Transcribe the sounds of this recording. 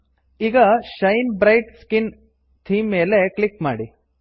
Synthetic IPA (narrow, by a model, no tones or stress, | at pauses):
iːɡɐʃɐjnbɾɐjʈskin | t̪ʰiːmːe̞ːle̞klikma̰ːɽi